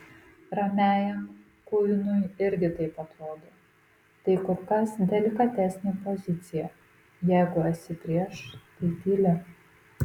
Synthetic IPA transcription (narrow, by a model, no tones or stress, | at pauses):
ɾɐmʲæːjɛm | kʊjnʊjɪɾʲɡʲɪt̪ɐɪpɐt̪ɾoːd̪oː | t̪ɐɪkʊɾkɐsd̪ʲɛlʲɪkɐt̪ʲɛsʲnʲeːpozʲɪt̪sʲɪjɛ | jɛɪɡʊɐtʲsʲɪpʲɾʲiɛʃt̪ɐɪt̪ʲiːlʲɛ